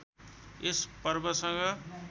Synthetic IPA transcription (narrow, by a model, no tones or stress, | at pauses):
espʌɾbʌsʌŋɡʌ